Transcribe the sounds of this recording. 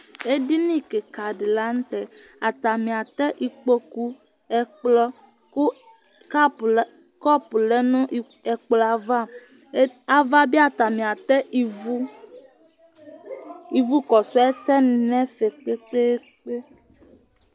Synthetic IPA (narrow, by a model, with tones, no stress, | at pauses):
e˦ɖi˦nĩ˦ke˨ka˨ɖe˨la˦ŋ̩˦t̪ɛ˨ | a˨t̪a˨mĩ˨a˨t̪ɛ˦ʔi˨k͡po˦ku˦ | ɛ˨k͡plɔ˦ | ku˦ | k | kɔ˦pu˨lɛ˦nɔ̃˦ʔ | ɛ˨k͡plɔ˨a˨va˦˨˦ | a˨va˦bi˦a˨t̪a˨mĩ˨a˨t̪ɛ˦i˨u˦ | i˨vu˦kɔ˨sɔ˦ɛ˦sɛ˦n˦nɛ̃˦fe˨k͡pe˦k͡pe˦ | k͡pe˦